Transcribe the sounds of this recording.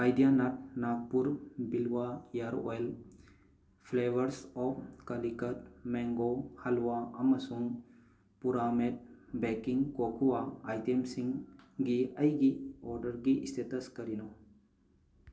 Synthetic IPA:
ajɖijanɐt̚naɡ̚puɾbilʋajaɾo̰jl | pʰleʋəɾsɔkɐlikɐʈ̪̚mɛ̃ŋɡohɐlʋaɐmɐsuŋ | puɾamet̪̚bɛkiŋɡkokʰuwaːjt̪emsiŋɡɡiɐjɡiɔɾɖəɾɡiist̪ʰit̪ɐskɐɾino

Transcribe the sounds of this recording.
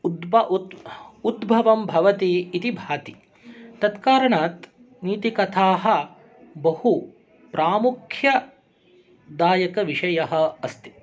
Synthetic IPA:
d̪bɐ | ud̪bʱɐʋɐmbʱɐʋɐt̪iːt̪ibʱaːt̪i | t̪ɐt̪kaːɾɐɳaːt̪ | niːt̪ikɐt̪ʰaːɦɐ̆ | bɐhu | pɾʔaːmukʰjɐ | d̪aːjɐkɐʋiʃɐjɐɦɐ̆ɐst̪i̥

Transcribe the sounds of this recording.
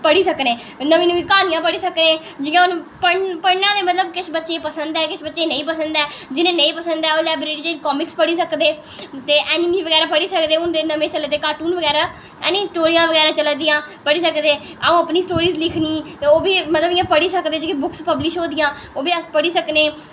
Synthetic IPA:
pəɽiːsəknẽː | nəʋĩːnũːʋiːkaːnijãːpəɽiːsəknẽː | d͡ʒɪːãːʊnːpəpəɽnãːd̪eːmət̪ləbkɪt͡ʃʰbətːʃeːpəsənd̪ɛːkɪt͡ʃʰbətːʃeːnə̃ĩːpəsənd̪ɛːd͡ʒɪnẽːnəĩːpəsənd̪ɛːoːlɛːbɾeːɾid͡ʒeːɾiːkɔːmɪkspəɽiːsəkd̪eː | t̪eːʔɛːnɪmiːʋəɡɛːɾaːpəɽiːsəkd̪eːʊnd̪eːnəʋẽːt͡ʃəld̪eːkaːʈuːnʋəɡɛːɾaː | ɛ̰ːnisʈoːɾijãːʋəɡɛːɾaːt͡ʃəld̪ijãːpəɽiːsəkd̪eː | aːũːəpniːsʈoːɾiːzlɪkʰniːeoːbiːmət̪ləbɪjãːpəɽiːsəkd̪eːd͡ʒikĩːbʊkspəblɪʃɦoːd̪ɪjãːoːbiːəspəɽiːsəkneː

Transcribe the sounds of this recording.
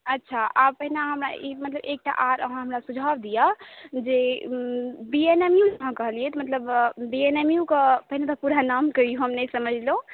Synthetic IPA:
ətːʃʰaʔapəɦinaɦəmɾa̰imət̪ləbek̚ʈa̰ʔaɾə̰ɦãɦəmɾasud͡ʒʱabd̪ijəd͡ʒe | bienemjud͡ʒəɦãkəɦəlijɛt̪mət̪ləbbienemjukəpəɦinat̪əpuɾanamkəijoɦəmnəjsəməd͡ʒʱlõ

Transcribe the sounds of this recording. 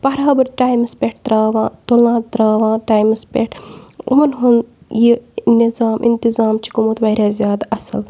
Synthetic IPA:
pɐɾaːbɨɾʈaːjmspʲeʈ̚t̪ɾaːʋãːt̪olãːt̪ɾaːʋãːʈaːjmɨspḛʈṵmɐnɦun | jinizaːmʔḭnt̪izaːmt͡ʃʰi̥kumut̪ʋɐɾaːzʲjaːd̪aɐsɐl

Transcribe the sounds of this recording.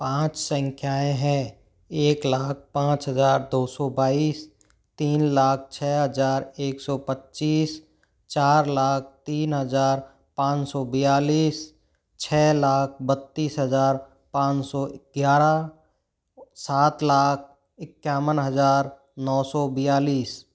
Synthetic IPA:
pãːt͡ʃsə̃ŋkʰjaːẽɦɛ̃ | eːklaːk̚ʰpãːt͡ʃɦəzaːɾd̪oːsɔbaːiːs | t̪iːnlaːk̚ʰt͡ʃʰɛːɦəzaːɾeːksɔːpətːʃiːs | t͡ʃaːɾlaːk̚ʰt̪iːnɦəzaːɾ | pãːt͡ʃsɔbɪjaːliːs | t͡ʃʰɛːlaːk̚ʰbət̪ːiːsɦəzaːɾ | pãːt͡ʃsɔɪɡ̥jaːɾa | saːt̪laːk̚ʰ | ɪkːjaːwənɦəzaːɾ | nɔːsɔbɪjaːliːs

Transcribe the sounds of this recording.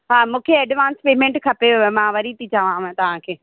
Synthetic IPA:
ɦaːmũːkʰeɛɖʋaːnspeːmẽɳʈkʰɐpemãːʋɐɾit̪it͡ɕaːʋãt̪ɐʋ̤ãkʰeː

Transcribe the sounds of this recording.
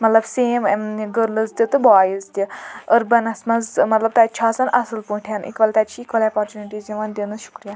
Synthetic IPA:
mɐt̪lɐbseːmɡəɾlɨzt̪ʲit̪ɨbaːjəzt̪ʲiəɾbɐnɐsmɐzmɐt̪lɐb̚t̪aːt͡ʃʰaːsɐnʔɐsɨlpuʈʰanʔḭkʋɐlt̪at͡ʃʰiːkʋɐleapaɾt͡ʃʲjuniʈiːziʋɐnd̪ʲenɨʃu̥kɾijaː

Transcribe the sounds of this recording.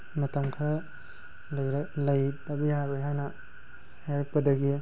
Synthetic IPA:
mɐtɐmkʰɐ | lɐjɾlɐjtɐbijabɯjɦajnɐ | hajɾɐk̚pɐdɐɡi

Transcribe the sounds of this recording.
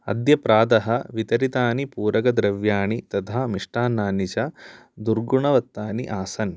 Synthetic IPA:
ɐ̰d̪jɐpɾaːd̪ɐɦɐʋit̪ɐɾit̪aːnipuːɾɐkɐd̪ɾɐʋjaːɳit̪ɐt̪ʰaːmiʂʈaːnaːnit͡ʃɐ | d̪uɾɡuɳɐʋɐt̪ːaːnḭʔaːsɐn

